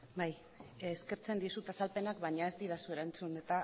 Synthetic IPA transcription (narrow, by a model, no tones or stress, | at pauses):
bajː | ske̞ɾt͡se̞nd̪isut̪asalpe̞nakβajɲae̞zd̪iðasue̞ɾant͡sune̞t̪a